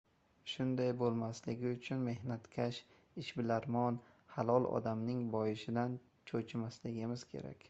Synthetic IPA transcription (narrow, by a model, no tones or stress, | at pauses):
ʃʊnd̪ajbolˠmaslɪɡʲɪʊt͡ʃʰʊnme̞hnat̪kʲʰaʃ | ɪʃbɪlaɾmɒn | halˠɒlˠɒ̰d̪amnɪŋbɒjɪʃɪd̪an | t͡ʃʰot͡ʃʰɪmaslɪɡʲɪmɪz̥kʲʰe̞̰ɾa̰kʲ